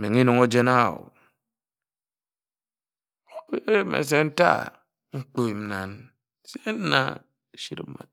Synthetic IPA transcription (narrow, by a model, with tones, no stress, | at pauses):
me˨ŋi˦no˨ŋo˦d͡ʒe˦na˦˨o̰˨˦ | e˦ɾe˦mḛ˨s̬e˦n̩˦ta̰˦ | ŋ͡m̩˦k͡po˦i˨m̩˦na˦n | se˦n̩˦na̰˦ | ʃi˦ɾ̩˨˦ma̰˨t̚